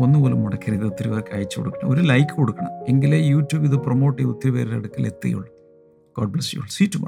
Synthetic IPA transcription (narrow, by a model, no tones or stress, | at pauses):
o̞nːɨpoːlumːuɽɐkʰːɐɾiðɐut̪ːiɾipeːrkɐːjt͡ɕːɨkoɽukːɐɳɐ̰moɾulɐjkːɨkoɽukːɐɳɐ̰me̞ŋɡilejuːtjuːbiðɨpromo̞ːʈːiʋut̪ːiɾipeːɾilɐ̰ɽukːilet̪ːɐ̰jṵɭːɐ | koːɖ̚blɐsijṵɭːsiːtːumaː